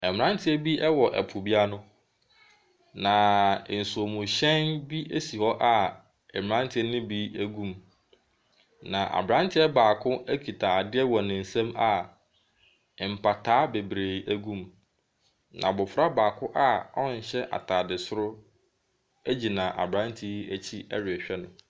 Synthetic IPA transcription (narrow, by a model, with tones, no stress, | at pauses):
ɛ˨m˨ɾã˦ntʰɪ˦ɛ˦bi˦ʔɛ˦wɔ˨ʔɛ̰˨pʰʊ˨bi˦a˦nʊ̃˦ | nã˨n̩˨sʊ˨o˨mʊ̃˨ɕɛ̃˦nbi˦ʔæ˦si˨hɔ˦ʔa˦˨ | ɛ˨m˨ɾã˦ntʰɪ˦nʊ̃˦bi˦æ˦ɡũ˦m | nã˨ʔa̰˨bɾã˦ntʰɪ˦ɛ˦baː˨kʰʊ̃˦æ˦kʰi˨tʰa˨a˨dɪ˦ɛ˦wɔ˨nɪ̃˨n̩˨sɛ̃˦ma˨ | m̩˨pʰa˨tʰaː˨˦be˨bɾeː˨ʔæ˦ɡũ˦˨m | nʔã˨bʊ˨fɾa˦baː˨kʰʊ˦ʔa˦ɔ˦n̩˨ɕɛ˦ʔa̰˨tʰaː˨dɪ˨sʊ˦ɾʊ˦ | æ˦d͡ʑi˨nã˨ʔa̰˨bɾã˦ntʰi˦æ˦t͡ɕʰi˦ɛ̰˦ɾɪ˨ɛ˨ɕᶣɛ˦nʊ̰̃˨